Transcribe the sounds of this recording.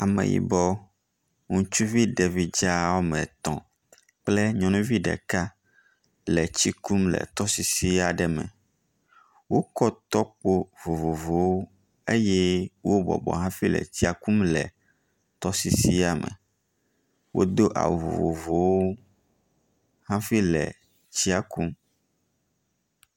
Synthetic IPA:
a˨mɛ̰̃˨jḭ˨bɔ˦ | ŋũ˦t͡ʃu˦vi˦ɖɛ˨vi˨d͡ʒa˦wo˦mɛ̃˨t̪ɔ̰̃˨ | k͡plɛ˦ɲɔ̃˨nũ˦vi˦ɖɛ̰˨ka˦ | lɛ˨t͡ɕi˦ku˦mlɛ̰˨t̪ɔ˦si˦si˦a˨ɖɛ˨mɛ̰̃˨ | wo˦kɔ˦t̪ɔ˦k͡po˦vo˨vo˨vo˨wo˦ | e˦jɛ˦wo˦bɔ̰˨bɔ̰˨ɦã˦fi˦lɛ̰˨t͡ɕi˦a˨ku˦mlɛ˨ | t̪ɔ˦si˦si˦a˨mɛ̰̃˨ | wʔo̰˦d̪o˦ʔa̰˨vo̰˨vo˨vo˨wo˦ | hã˦fi˦lɛ̰˨ | t͡ɕi˦a˦ku˦m

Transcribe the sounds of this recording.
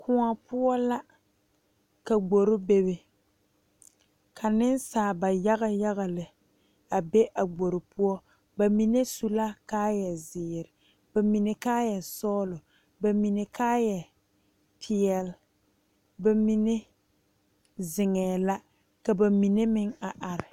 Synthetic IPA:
kʰʊ˨ŋa˨pʊ˦ɔ˦la˦ | ka˨ɡ͡bo˨ɾɪ˦be˦be˨ | kʰa˨nɪ˦nsaː˨ba˨ja˦ɣa˦ja˦ɣa˨lɪ˨ | a˨be˦ʔa˨ɡ͡bo˨ɾɪ˨pʊ˦ɔ˦ | ba˨mi˨ne˦su˦la˦kaː˦jɛ˨zɪː˨ɾɪ˨ | ba˨mi˨ne˨kaː˦jɛ˨sɔː˦lʊ˨ | ba˨mi˨ne˨kaː˦jɛ˨ | pʰɪ˨ɛ˨l | ba˨mi˦ne˦ | zɪ˨ŋɛː˨la˦ | ka˨ba˨mi˨ne˦mɪ˦ŋa˨ʔa˨ɾɪ˨

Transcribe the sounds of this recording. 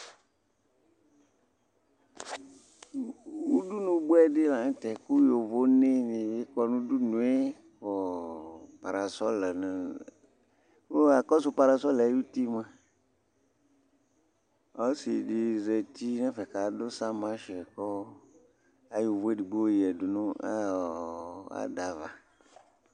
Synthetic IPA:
wu˦du˦nũ˨ɡ͡bu˦ɛ˦dɪ˦la˨ŋ˦t̪ɛ˨ku˦jo˨vo˦ne˦nĩ˨je˦kɔ˨nũ˦du˦nũ˨˦e˦ | kɔ˨ | pa˨ɾa˨sɔ˦lɛ˨nã˨˦ | a˨kɔ˦sʊ˨pa˨ɾa˨sɔ˦lju˦ti˦mã˨ | ɔ˨˦si˨di˨zɛ˨t̪i˦nɛ̃˦fɛ˨ka˨do˦sa˦mã˦ʃɛ˨kɔ˦ | a˨jo˨vo˦e˦di˨ɡ͡bo˦ji˨ɛ˨du˨nũ˦a˦˨a̰˨da˨va˨

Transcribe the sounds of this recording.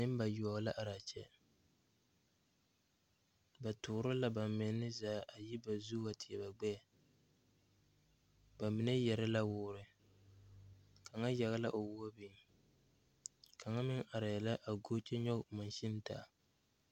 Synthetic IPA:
nɨ˦m˦ba˨jʊ˨ɔ˨la˦ʔa˨ɾa˨t͡ʃɛ˦ | ba˨tʊː˨˦ɾʊ˦la˦ba˨mmɪ˨˦nɪ˦zaː˨˦˨ʔa˨ji˦ba˨zu˦a˨tɪ˨ɛ˨ba˨ɡ͡bɛ˦a˨ | ba˨mɪ˨nɛ˦jɛ˨ɾɪ˦la˦wʊː˦ɾɪ˨ | ka˨ŋa˦ja˨ɣa˦la˦ʔo˨wʊ˦a˦bi˨˦ | ka˨ŋa˦mɪ˦ŋʔa˨ɾa˨jɛ˨la˦ʔa˨ɡo˦t͡ʃɛ˦ɲɔ˦kma˨nʃɪ˦n˦ta̰˨

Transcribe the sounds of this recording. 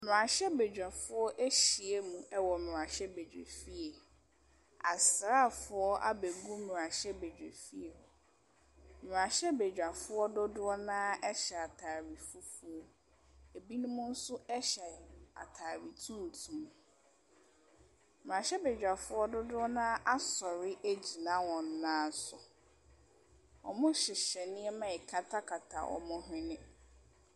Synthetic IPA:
m˨ã˨ɕɛ˦be˨d͡ʑᶣa˨fʊ˦ɔ˦ʔe˦ɕi˨e˦mũ˨ɛ˦wɔ˨m˨ɾã˨ɕɛ˦be˨d͡ʑᶣḛ˨fi˦e˨ | a˨sɾa˦˨fʊ˦ɔ˦ʔa̰˦be˨ɡũ˦m˨ɾã˨ɕɛ˦be˨d͡ʑᶣḛ˨fi˦e˨ | m˨ɾã˨ɕɛ˦be˨d͡ʑᶣa˨fʊ˦ɔ˦dʊ˦dʊ˦ɔ˦nã˦ɛ˦ɕɛ˨a˨tʰaː˨ɾi˨fu˦fʊ˦ɔ˦ | e˨bi˦nũ˦mʊ̃˦n̩˦sʊ˦ɛ˦ɕɛ˨a̰˨tʰaː˨ɾi˨tʰũ˦n̩˨tʰũ˨m˨ | m̩˨mãː˨ɕɛ˦be˨d͡ʑᶣa˨fʊ˦ɔ˦dʊ˦dʊ˦ɔ˦nãː˦ʔa˦sɔ˨ɾɪ˦ʔæ˦d͡ʑi˨nã˦wɔ̃˨n˦nãː˦sʊ˨ | ɔ̰˨mʊ̃˦ɕɪ˨ɕɛ˨nɪ̃˦ɛ˦mã˨ɛ˨kʰa˦tʰa˦kʰa˨tʰa̰˨ʔɔ̰˨mʊ̃˦ɦɪ̃˦nɪ̃˦

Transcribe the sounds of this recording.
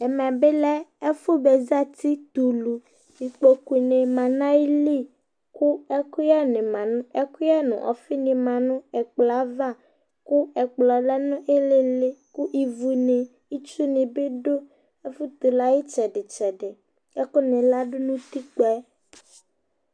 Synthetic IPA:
ɛ˨mã˨be˦lɛ˦ɛ˦fo˦be˨za˦t̪i˦t̪u˨lu˨ | i˨k͡po˨ki˨nẽ˨mã˨nã˦i˦li˦ | ku˦ɛ˦ku˦ja˦nẽ˨mã˨nʊ̃˦ɛ˦ku˦a˦nṵ̃˨ʔɔ̰˨fi˦nĩ˨mã˨nũ˦ɛ˨k͡pla˦va˦˨ | ku˦ɛ˨k͡plɔ˨lɛ˦nũ˦ʔe˦le˦le˦ku˦ʔi˨vu˨nẽ˨ | i˦t͡ʃu˦nẽ˨be˦ɖo˦ | e˦fu˦t̪u˨la˦ji˦t͡ʃɛ˨ɖe˨t͡ʃɛ˨ɖɛ˨ | ɛ˦ko˦nẽ˨la˦ɖo˦nũ˦t̪i˦k͡pɛ˦

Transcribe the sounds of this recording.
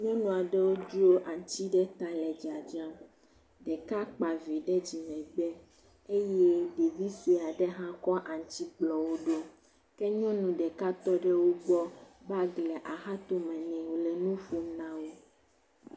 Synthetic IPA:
ɲɔ̃˦nũ˨a˨ɖɛ˦wo˦d͡ʒu˦o˦ʔa˨ɲ˨˦t͡ɕi˦ɖɛ˦t̪a˦lɛ˨d͡ʒa˨d͡ʒã˦ | ɖɛ˨ka˦k͡pa˨vi˨ɖɛ˦d͡ʑi˨mɛ̃˨ɡ͡bɛ˦ | e˦jɛ˦ɖe˨vi˦si˨a˨ɖɛ˦ɦã˦kɔ˦ʔa˨ɲ˨t͡ɕi˦k͡plɔ˨wo˦ɖo˦ | kɛ˦ɲɔ̃˦nũ˨ɖɛ˨ka˦t̪ɔ˦ɖɛ˦wo˦ɡ͡bɔ˦ba˦ɡlɛ˨ʔa˨ɦa˦t̪o˦mɛ̃˨nɛ̃˨wo˨lɛ˨nũ˦fu˦nã˦wo˦

